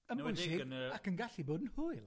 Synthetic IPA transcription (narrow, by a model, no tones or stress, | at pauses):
əmʊjsɪakənɡaɬiboːdən̩hʊɨlˠ